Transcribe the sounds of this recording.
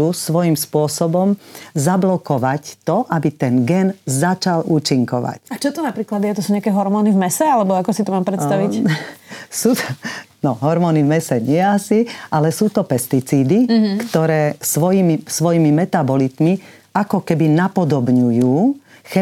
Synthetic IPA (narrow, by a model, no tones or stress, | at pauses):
usʋɔjimspʊɔsɔbɔmzablɔkɔʋact̪ɔʔabit̪ɛnɡɛnzat͡ʃaluːt͡ʃiŋkɔʋa̰cat͡ʃɔt̪ɔnapɾiːklad̪jɛt̪ɔsuːɲɪakɛːɦɔɾmɔːnivmɛsɛalɛbɔakɔsit̪ɔmaːmpɾɛt̪st̪aʋic | suːt̪ɔnɔɦɔɾmɔːnivmɛsɛɲɪɛasiʔalɛsuːt̪ɔpɛst̪it͡siːd̪ikt̪ɔɾɛːsʋɔjimisʋɔjimimɛt̪abɔlit̪mi | akɔkɛbinapɔd̪ɔbɲujuː | xɛ